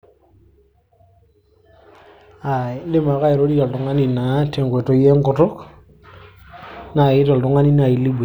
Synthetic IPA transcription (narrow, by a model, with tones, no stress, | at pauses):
a˨˦le˦ma˨ka˦i˨ɾo˦di˦ɔ˨ltɔ˨ŋa˦ni˨na˨te˨ŋɡwe˨to˨je˦ŋkɔ˨tɔ˦k | na˨ji˦ɾɔ˨ltɔ˨˦ŋa˦ni˦na˨ji˨li˦be˨